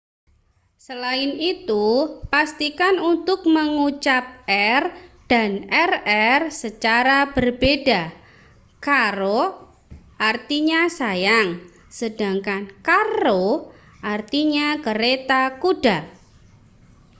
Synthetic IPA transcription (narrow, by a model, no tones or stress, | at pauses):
səlaɪnit̪upast̪ikanunt̪ʊk̚məŋut͡ʃap̚ɛrd̥anɛrɛrsət͡ʃaɾab̥ərb̥eda | kaɾo | ʔart̪iɲasajaŋ | səd̥a̤ŋkankaɾo | ʔart̪iɲakəɾet̪akud̥at